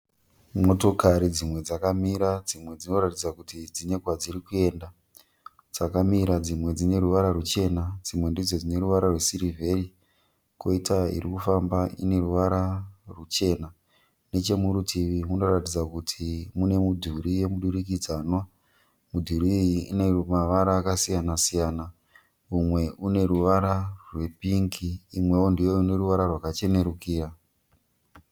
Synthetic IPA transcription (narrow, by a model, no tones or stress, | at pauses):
mo̞to̞kaɾid͡zimwe̞d͡zakamiɾad͡zimwe̞d͡zino̞ratid͡zakutid͡zine̞kwad͡ziɾikue̞ːnda | d͡z̥akamiɾad͡zimwe̞d͡zine̞ɾuʋaɾaɾut͡ʃe̞nad͡zimwe̞ndid͡zo̞d͡zine̞ruʋaɾarwesiɾivʱe̞ri | ko̞itaḭɾikufambaḭne̞ruʋaɾarut͡ʃe̞na | ne̞t͡ʃe̞muɾutʰiʋimuno̞ratid͡zakutʰimune̞mudʱuɾije̞muɗuɾikid͡zaːnwa | mudʱuɾiiiḭnemaʋaɾaːkasijanasijaːna | umwe̞une̞ɾuʋaɾarwe̞piŋɡiːmwe̞o̞ndijo̞une̞ɾuʋaɾarwakat͡ʃe̞ne̞ɾukiːɾa